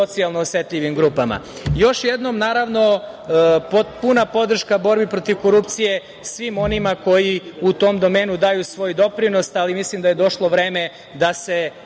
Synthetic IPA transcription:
ot̪sialˠnoːsjet̪ʎʲiʋimɡɾuːpama̰jo̞ʃjed̪nomnaːɾaʋno̞ | popunapo̞d̪r̩ʃkabo̞ɾbipɾo̞t̪iʋko̞ɾupt̪sije̞ | sʋimo̞nimako̞jiut̪o̞md̪o̞me̞ːnud̪ajusʋo̞ːjd̪o̞pɾino̞salimislimd̪aje̞d̪o̞ʃlˠo̞ʋɾe̞ːme | d̪ase

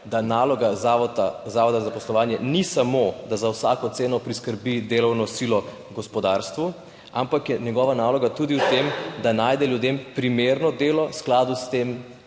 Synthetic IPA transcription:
d̪anaːlɔɡazaɔt̪azaʋɔd̪azapɔslɔʋaːnjɛnisamod̪azawsaːkɔt̪seːnɔpɾiskəɾbid̪eːlɔwnɔsilɔ | ɡɔspɔd̪aːɾst̪ʋu | a̰mpakjɛɲjɛɡɔʋanaːlɔɡat̪ud̪iwt̪emd̪anaːjd̪ɛljud̪empɾimeɾnɔd̪eːlɔsklaːd̪ust̪em

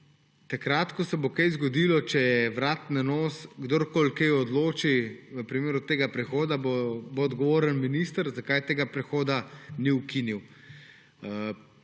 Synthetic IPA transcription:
t̪akɾaːt̪kɔsɛbokɛjzɡɔd̪iːlɔt͡ʃɛjɛʋɾaːt̪nɛnoːsɡd̪oɾkoːlkɛjɔd̪loːt͡ʃiʋəpɾimeːɾut̪eːɡapɾɛxoːd̪abboːd̪ɡɔʋoːɾənminiːst̪əɾzakajt̪eːɡapɾɛxoːd̪aniukiniw

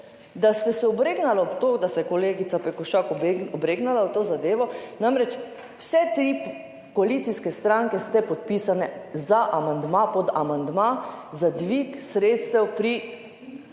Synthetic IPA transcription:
d̪ast̪ɛsɛɔbɾeːɡnalaɔpt̪od̪asɛkɔleːɡit̪sapɛkɔʃakɔbɡɔbɾeːɡnalawt̪oːzad̪eːʋɔnamɾɛt͡ʃ | wsɛt̪ɾi | koalit̪siskɛst̪ɾaŋkɛst̪ɛpɔt̪̚piːsanɛzaʔamand̪mapɔd̪amand̪mazad̪ʋiksɾeːt̪st̪ɛwpɾi

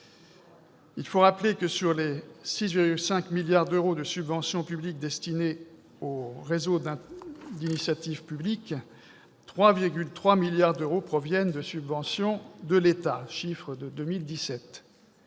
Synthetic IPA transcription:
ilfoʁaplekəsyʁlesisviʁɡʲylsɛ̃kmiljaʁd̪øʁod̪əsybvɑ̃sjɔ̃pyblik̚d̪ɛst̪ine | oʁezod̪ɛ̃d̪inisjat̪ivpyblik | t̪χwaviʁɡʲylt̪χwamiljaʁd̪øʁopχɔvjɛnd̪əsybvɑ̃sjɔ̃d̪əlet̪aʃifχəd̪əd̪ømild̪isɛt̪

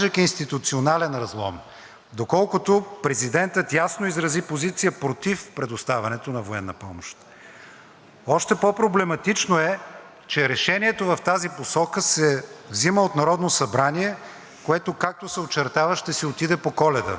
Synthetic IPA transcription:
ʒɛkʲinst̪it̪ut̪sionalɛnɾɐzlˠɔ̰m | d̪okɔlˠkʊt̪opɾɛzid̪ɛnt̪ət̪jasnoizɾɐzipozit̪sijəpɾot̪ifpɾɛd̪ost̪avɐnɛt̪onɐvoɛnːɐpɔmoʃt̪ | ɔʃt̪ɛpopɾoblɛmɐt̪it͡ʃnoɛ | t͡ʃɛɾɛʃɛniɛt̪ovɐft̪aziposɔkəsɛvziməot̪nɐɾɔd̪nosɐbɾaniɛ | koɛt̪okak̚t̪osɛot͡ʃɛɾt̪avəʃt̪ɛsɛot̪id̪ɛpokɔlɛd̪ə̰

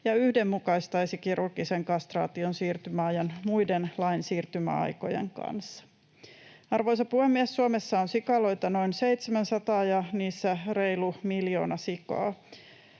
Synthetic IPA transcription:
jɑyhde̞mːukɑist̪ɑjsikirʔurɡiseŋkɑst̪rɑ̰ːt̪io̞nsiːrt̪ymæɑjɑnmujdenlɑinsiːrt̪ymæ̰ɑ̰jko̞jḛŋkɑ̰nsːɑ̥ | ɑrʋo̞jsɑpuhemːiesːuomesːɑonsikɑlo̞jt̪ɑno̞inse̞it̪semænsɑt̪ɑːjɑniːsːære̞jlumiljo̞ːnɑsikɑ̰ː

